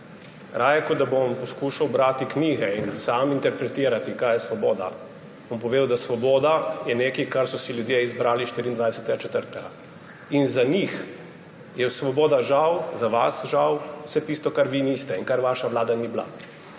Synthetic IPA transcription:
ɾʔaːjɛkɔd̪abompɔskuʃawbɾat̪ikniːɣɛinsaːmint̪ɛɾpɾɛt̪iːɾat̪ikajɛsʋɔbɔːd̪a̰ | bɔmpɔʋeːd̪əwd̪asʋɔbɔːd̪ajɛneːkikaɾsɔsiljud̪jeizbɾaːliʃt̪iːɾiːnd̪ʋajsɛ̥t̪ɛɡat͡ʃɛt̪əɾt̪ɛɡa | inzanix | jɛsʋɔbɔːd̪aʒawzaʋasʒawwsɛt̪ist̪ɔkaɾʋiniːst̪ɛinkaɾʋaʃaʋlaːd̪anibla̰

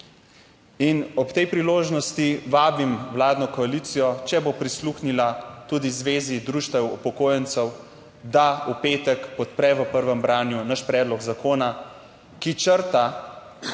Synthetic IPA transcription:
inɔpt̪ɛjpɾiloːʒnɔst̪iʋaːbimwlaːd̪nɔkɔaliːt̪sijɔt͡ʃɛbopɾisluxnilat̪uːd̪izʋeːzid̪ɾuːʃt̪ɛwṵpɔkoːjɛnt̪səw | d̪aupeːt̪əkpɔt̪pɾɛʋəpəɾʋəmbɾaːnjunaʃpɾɛːd̪lɔɡzakoːna | kit͡ʃəɾt̪a

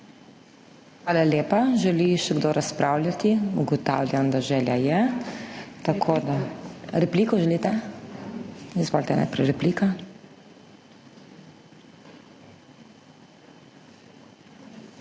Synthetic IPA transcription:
xʋaːlaleːpaʒɛliʃɛɡd̪oɾʔaspɾaːwlʲjat̪iuɡɔt̪aːwlʲjamd̪aʒɛːljajɛ | t̪akʰoːd̪aɾɛpliːkɔʒɛlit̪ɛ | izbɔlt̪ɛna̰jpɾɛjɾɛpliːka

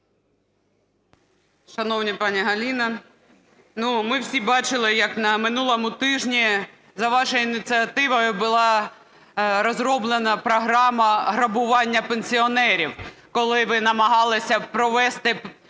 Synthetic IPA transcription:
ʃɐnɔwnʲipɑnʲiɦɐlʲinɐ | numɪwsʲibɑt͡ʃɪlˠɪjɐknɐmɪnulˠɔmʊt̪ɪʒnʲi | zɐʋɑʃɔjʊinʲɪt͡sʲiɐt̪ɪʋɔjʊbʊlˠɑ | ɾɔzɾɔblˠenɐpɾɔɦɾɑmɐɦɾɐbʊʋɑnʲːɐpenʲsʲiɔnɛɾʲiwkɔlˠɪʋɪnɐmɐɦɑlˠɪsʲɐpɾɔʋɛst̪ɪ

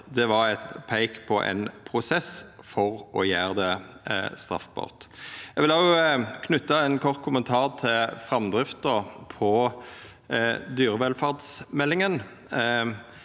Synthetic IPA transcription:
d̪ɛʋɑɾɛt̪pʰæɪkpʰɔʔɛ̰ɪnpʰɾʊsɛsfɔɾʔɔjæːʁd̪ɛ | st̪ʁɑ̰fbɑ̰ʁt̪jæɡʋɪlɑskʰnʉt̪ːɑɛnkʰɔʁt̪̚kʰʊmənt̪ʰɑːʁt̪ʰɪlfʁɑmd̪ʁɪft̪̚d̪opʰɔ | d̪yːɾəʋɛlfɑʁd̪smɛlːɪŋən

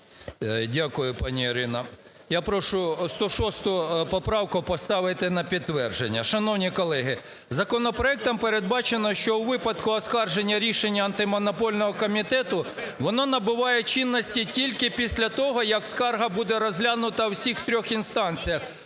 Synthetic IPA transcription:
dʲakʊjʊpɑnʲiːɾɪnɐ | japɾɔʃʊst̪ɔʃɔst̪ʊjpɔpɾɑwkʊpɔst̪ɑʋɪt̪ɪnɐpʲid̪t̪ːʋɛrʒenʲːɐʃɐnɔwnʲikɔlˠɛɦɪ | zɐkɔnɔpɾɔɛk̚t̪ɔmpeɾed̪bɑt͡ʃenɔʃt͡ʃɔwʋɪpɐd̪kʊɐskɑrʒenʲːɐɾʲiʃenʲːɐɐnt̪ɪmɔnɔpɔlʲnɔɦɔkɔmʲit̪ɛt̪ʊ | ʋɔnɔnɐbʊʋɑjɛt͡ʃinːɔsʲtʲitʲilʲkɪpʲisʲlʲɐt̪ɔɦɔjɐkskɑrɦɐbud̪ɛɾɔzʲɦlʲanʊt̪ɐwsʲixt̪ɾʲɔxinst̪ɑnʲt͡sʲijɐx

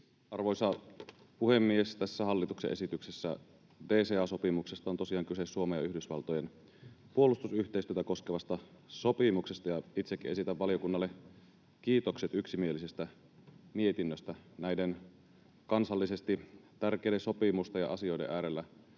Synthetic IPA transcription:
ɑrʋojsɑ | puhemːiest̪æsːæhɑlːit̪uksḛʔesit̪yksesːæ̰ | de̞ːseɑso̞pimuksest̪ɑont̪o̞siɑːŋkysesːuomejɑyhdysʋɑ̰lt̪ojen | puolust̪usyht̪eist̪yøt̪æko̞skeʋɑst̪ɑsopimuksest̪ɑjɑit̪sekːiʔesit̪æʋːɑliokunːɑlːe | kiːt̪okset̪yksimielise̞st̪æ | mie̞t̪inːøst̪ænæjden | kɑnsɑlːise̞st̪it̪ærkejdeso̞pimust̪ejɑ̰ʔɑsio̞jdḛʔæːɾelːæ

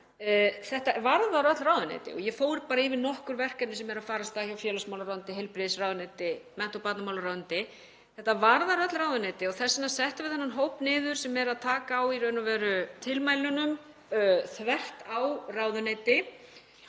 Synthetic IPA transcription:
θɛht̪avaɾðaɾœt̪lɾaːwðʏnḛːt̪ɪ̰ɔ̰ɣjɛfoːwɾɪpaːɾaɪvɪnɔhkʏɾvɛr̥kaɛt̪nɪsɛmɛɾaðfaːɾast̪açawfjɛːlasmawlaɾawʏnt̪ɪɦɛjlpɾɪðsrawðʏnet̪ɪmɛn̥t̪ɔpat̪namawlaɾawðʏnt̪ɪ | θɛht̪avaɾðaɾœt̪lɾawðʏnet̪ɪɔɣθɛsːɪnːasɛht̪ɪvɪðhanːanɦowpnɪːðʏɾ̥sɛmɛɾaðt̪ʰaːkaːwiɾœðnʏvɛːɾʏt̪ʰɪlmaːjlʏnʏm | θvɛr̥t̪awraːwðʏneːt̪ɪ

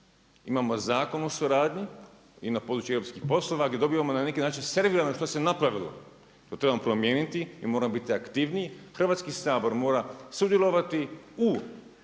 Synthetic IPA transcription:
imamo̞zaːko̞nusuɾaːd̪ɲi | inapo̞ːd̪ɾut͡ʃueɾo̞pskixpo̞slˠo̞ʋaɡd̪ʲjed̪o̞biːʋamo̞nanekinaːt͡ʃinse̞ɾʋiːɾanoʃt̪ose̞napɾaʋilo̰ | t̪ot̪ɾebamopɾo̞mje̞ːnit̪iḭmo̞ːɾamobit̪iakt̪iːʋnijxrʋat̪skisaːbo̞ɾmo̞ːɾasud̪jelˠo̞ʋat̪iu

